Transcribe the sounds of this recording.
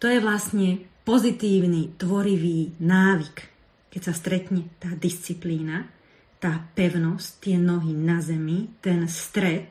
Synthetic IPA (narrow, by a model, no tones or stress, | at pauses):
t̪ɔjɛʋlasɲɛpɔzit̪iːʊnit̪ʋɔɾiʋiːnaːʋik | kɛcsast̪ɾɛt̪ɲɛt̪aːd̪ist͡sipliːna | t̪aːpɛʊnɔsct̪ɪɛnɔɦinazɛmit̪ɛnst̪ɾɛt̪̚